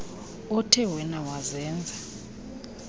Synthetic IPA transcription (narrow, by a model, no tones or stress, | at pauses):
ɔtʰɛwɛnawazɛːnd͡zʱa